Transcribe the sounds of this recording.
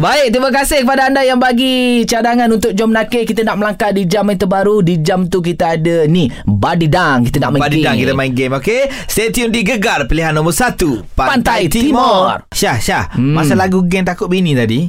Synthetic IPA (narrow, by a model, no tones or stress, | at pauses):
baɪk̚t̪imakasɪhkəpadaandajaŋbaɡit͡ʃadaŋãnunt̪ʊk̚d͡ʒɔmnakekit̪anaʔməlaŋkadid͡ʒamant̪əbaɾudid͡ʒamt̪uk̬it̪aadənibadidaŋkit̪ana̰ʔmabadidaŋkit̪amainɡemokest̪et̪iʊmdiɡəɡarpəliɦanːɔmɔrsat̪upapant̪ajt̪iimɔrʃahʃahmasalaɡuɡɛnt̪akʊt̪̚binĩt̪adi